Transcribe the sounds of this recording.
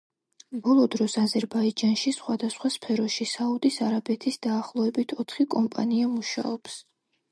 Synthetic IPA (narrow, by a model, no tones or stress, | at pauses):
bɔlˠɔd̪ɾɔsazɛɾbaid͡ʒanʃisχwad̪asχwaspʰɛɾɔʃisaud̪isaɾabɛt̪ʰisd̪aːχlˠɔɛbit̪ʰɔt̪ʰχikʼɔmpʼa̰niamuʃa̰ɔps